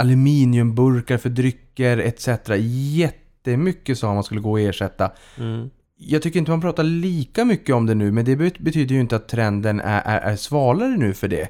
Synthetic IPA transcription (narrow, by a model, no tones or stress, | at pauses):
alʉmiːnɪɵmbɵɾkaɾfœɖɾʏkːəɾɛt̪sɛt̪ɾajɛt̪ːəmʏkːəsot̪manskɵlːəɡoːɔeːʂɛt̪ːa | jɑːɡt̪ʏkːəɾɪnt̪əmanpʰɾɑːt̪aɭiːkamʏkːəɔmd̪ɛnʉ̟ːmɛnd̪ɛbɛt̪ʰyːd̪əɾjɵɪnt̪əat̪ʰːɾɛnd̪ənæ̰ʔæ̰ɾʔæ̰ɾsvɑːlaɾənʉ̟ːfœɖɛ̰